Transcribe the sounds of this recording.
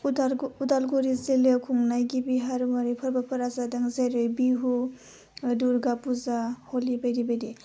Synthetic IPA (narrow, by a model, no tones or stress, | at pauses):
udalɡoɾizelekʰuŋnajɡibiɦaɾumaɾipʰaɾbapʰaɾazadaŋzajɾojbiɦu | duɾɡapuzaholibajdibajdi